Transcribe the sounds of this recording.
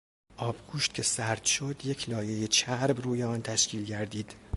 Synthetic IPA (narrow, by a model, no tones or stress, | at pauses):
ʔɒːbɡuːʃt̪̚cʰe̞sæɾd̪̥ʃod̪je̞cʰlɒːje̞jet͡ʃʰæɾbruːjeɒːnt̪ʰæʃcʰiːlɟæɾd̪iːd̪̥